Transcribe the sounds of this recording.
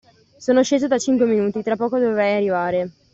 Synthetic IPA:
soːnoʃeːzod̪at͡ʃiŋkweminuːt̪it̪ɾapːɔːkod̪ovevɾɛjarːivaːɾe

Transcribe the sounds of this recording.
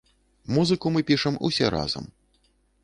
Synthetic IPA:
muzɨkumɨpʲiʂɐmṵsʲɛɾa̰zɐ̰m

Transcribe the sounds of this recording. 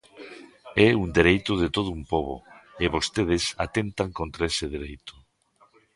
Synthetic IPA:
ɛuŋd̪eɾejt̪ʊðɪt̪oð̞ʊumpoβʊ̰ɪβost̪eð̞ɪsat̪ent̪aŋkont̪ɾaesɪðeɾejt̪ʊ̥

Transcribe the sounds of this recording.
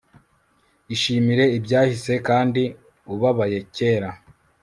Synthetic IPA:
iʃiːmiɾe̞ibɟaːhise̞kaːndi | uβaβaje̞ce̞ːɾa

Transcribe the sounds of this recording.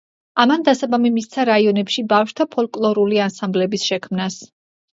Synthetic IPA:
amand̪asabamimist̪sʰaɾaiɔnɛpʃibafʃd̪ʰapʰɔlkʼlˠɔɾuliansamblɛbisʃɛkʰmnas

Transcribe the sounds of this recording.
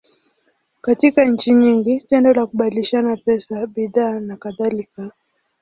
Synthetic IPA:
katikaɲ̩t͡ʃiɲiŋɡitɛndɔlakuɓadiliʃanapɛsaɓiðaːnakaðalika

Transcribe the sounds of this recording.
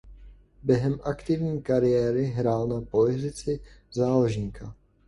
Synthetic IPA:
bjɛɦɛmʔakt̪ɪvɲiːkaɾɪjɛːɾɪɦɾaːlnapolɪzɪt͡sɪzaːloʒɲiːka

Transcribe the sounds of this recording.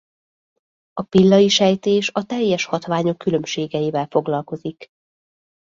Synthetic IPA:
ɒpilːɒiʃɛjt̪eːʃɒt̪ɛjːɛʃhɒt̪ʋaːɲo̞kːylømʃeːɡɛiːvɛlfo̞ɡlɒlko̞zik

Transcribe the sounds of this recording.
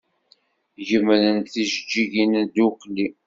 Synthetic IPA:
ʝəmɾənθiʒəd͡ʒːiʝind̪uqli

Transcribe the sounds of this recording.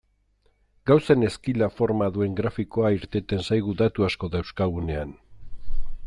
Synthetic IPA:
ɡawsene̞skilafo̞ɾmaðue̞ŋɡɾafiko̞aiɾt̪e̞t̪e̞nsajɣ̞uðat̪uasko̞ðewskaɣune̞an

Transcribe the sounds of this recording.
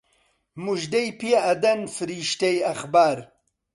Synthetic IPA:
muʒd̪ɐjpijaːd̪ɐnfɾiʃt̪ɐjaxbaːɾ

